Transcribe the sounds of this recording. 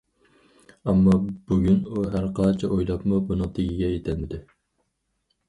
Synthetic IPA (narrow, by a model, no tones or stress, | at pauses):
ɑmːɑbuɡʲynuɦæɾqʰɑnt͡ʃʰɛʔojlˠɑpmubunɨŋt̪ʰɪɡʲiɡʲɛjet̪ʰɪlmɪd̪ɪ